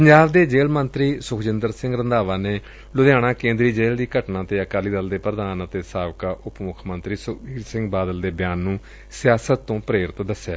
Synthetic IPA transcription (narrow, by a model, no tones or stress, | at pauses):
pəɲd͡ʒaːbd̪eːd͡ʒeːlmənt̪ɾiːsʊkʰd͡ʒɪnd̪əɾsɪ̃ŋɡɾənd̪aːʋaːneː | lʊd̪jaːɽ̃ãːkẽːnd̪ɾiːd͡ʒeːld̪iːkəʈnãːt̪eːəkaːliːd̪əld̪eːpɾəd̪aːnat̪eːsaːbkaːʔʊpmʊkʰmənt̪ɾiːsʊiːɾsɪ̃ŋɡbaːd̪əld̪eːbjaːnːũː | sɪjaːsət̪ːõːpɾeːɾɪt̪d̪əsjaː